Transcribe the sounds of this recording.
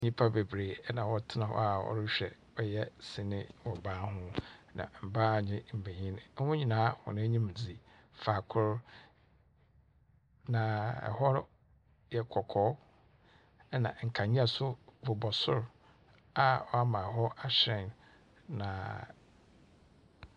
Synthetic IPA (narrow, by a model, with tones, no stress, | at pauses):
ɲĩ˦pʰa˦be˨bɾeː˨˦nã˨wɔ˨tʰɪ˦nã˨hɔ̰˦a˨hɔ̰˦ɾɕᶣɛ̰˨ | ɔ˦jɛ˦sɪ̃˨nɪ̃˦wɔ˨baː˦ɦʊ̃˦nã̰˨m̩˨ba˦˨ɲɪ̃˦m̩˨be˨ɲĩ˦ñ̩˨˦hʊ̃˦ɲĩ˨nãː˨˦hɔ̰˨nɪ̃˦ɲĩ˦m˨d͡zi˨ | faː˨kʰʊ˦ɾ | nã˨ɛ̰˨hɔ˦ɾ | jɛ˨kʰɔ˨kʰɔː˦ | nã̰˨ŋ̩˨kʰa˨ɲĩ˦a˨sʊ˦bʊ˨bɔ˨sʊ˦ɾ | a˨wɔ˦a˦mã˨ɦɔ˦a˨ɕɾɛ̃˨n | nã̰˨